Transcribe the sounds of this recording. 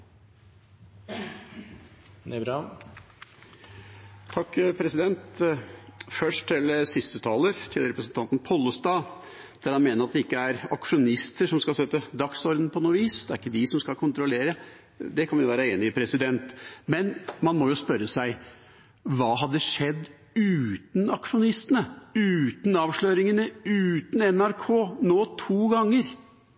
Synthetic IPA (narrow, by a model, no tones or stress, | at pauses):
nɛbɾ | t̪ʰɑkːpʰɾɛsɪd̪ɛnt̪ | fœʂʈt̪ʰɪlsɪst̪ət̪ʰɑːləɾt̪ʰɪlɾɛpɾəsn̩t̪ʰɑnt̪n̩pʰɔlːəst̪ɑː | d̪̥æɾhɑnmeːnəɾɑt̪̚d̪ɛɪkːəæɾɑkʂʊnɪst̪əʂɔmskɑlsɛt̪ːəd̪ɑksɔɾd̪n̩pʰɔnuːʋiːsd̪ɛæɾɪkːəd̪ɪsɔmskɑlkʰʊnt̪ɾʊleːɾə | d̪ɛkʰɑnʋjʊʋæːɾəeːnɪɪpʰɾɛsɪd̪ɛnt̪mɛnmɑnmɔjʊspœɾːəsæɪ | ʋɑːɦɑd̪ːəʂɛd̪ː | ʉːt̪n̩ɑkʂʊnɪst̪ənəʉːt̪n̩ɑːʋʂɭøːɾɪŋənəʉːt̪n̩ɛnæɾkʰoːnoːt̪ʰuːɡɑŋːəɾ